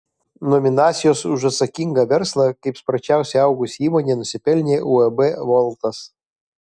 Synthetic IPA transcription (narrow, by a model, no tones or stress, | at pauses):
nɔmʲɪnaːt̪sʲɪjosʊʒɐt̪sɐkʲiŋɡɐʋʲɛɾslˠɐkɐɪpspɾɐt͡ʃʲæˑʊsʲɛɑʊɡʊsʲiːmɔnʲenɔsʲɪpʲɛlʲnʲeʔuɛbɛʋɔlˠt̪ɐs